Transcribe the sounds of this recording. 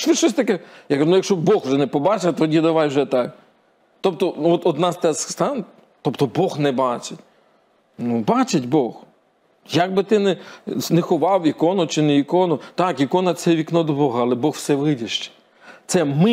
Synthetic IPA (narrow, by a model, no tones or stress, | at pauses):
ʃt͡ʃɪʃt͡ʃɔs̬ʲt̪ɐkɛjakɐunʊjɐkʃt͡ʃɔbɔxʊʒɛnɛpɔbɑt͡ʃɪt̪ɔdʲid̪ɐʋɑjwʒɛt̪ɑk | t̪ɔp̚t̪ɔnɔt̪ɔd̪nɑst̪ɛsst̪ɑn | t̪ɔpt̪ɔbɔxnɛbɑt͡ʃɪtʲ | nubɑt͡ʃɪtʲbɔx | jɐɡ̚bɪt̪ɪnɛnɛxɔʋɑwikɔnʊt͡ʃɪneikɔnʊt̪ɑkikɔnɐtsɛʋʲiknɔd̪ɔbɔɦɐːlˠɛbɔxwsɛʋɪdʲiʃt͡ʃɛ̥ | t̪sɛmɪ